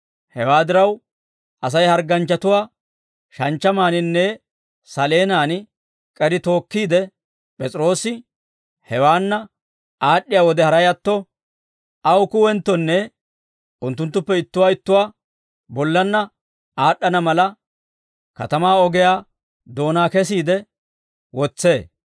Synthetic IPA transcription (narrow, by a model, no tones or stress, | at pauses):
hɛwaːd̪ɪɾɐw | ɐs̬ɐjhɐɾɡɐnt͡ʃːɐt̪ʊwaː | ʃɐnt͡ʃːɐmaːnɪnːɛ | sɐleːnaːn | kʼɛd̪ɪt̪o̞ːkːiːd̪ɛ | pʼɛt͡sʼɾo̞ːsɪ | hɛwaːnːɐ | aːɗːɪjaːwɔd̪ɛhɐɾɐjɐt̪ːɔ | ʔɐwʊkʊwɛnt̪ːɔnːɛ | ʔʊnt̪ːʊnt̪ːʊpːɛɪt̪ːʊwaːɪt̪ːʊwaː | bɔlːɐnːɐ | aːɗːɐnɐmɐlɐ | kɐ̰t̪ɐmaːɔɡɛjaː | d̪o̞ːnaːkɛs̬iːd̪ɛ | wɔt͡sːeː